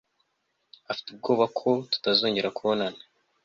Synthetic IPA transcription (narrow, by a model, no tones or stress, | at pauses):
afi̥tub̚ɡo̞ːβakʰo̞tu̥tazoːɲɟeɾakuβonana